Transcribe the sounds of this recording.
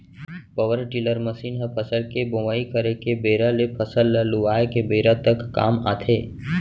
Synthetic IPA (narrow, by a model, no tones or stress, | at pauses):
pəʋəɾʈɪləɾməsiːnɦəpʰəsəlkebõʋaːikəɾekebeːɾalepʰəsəlːəlʊʋaːekebeːɾət̪əkːa̰ːma̰ːt̪ʰeː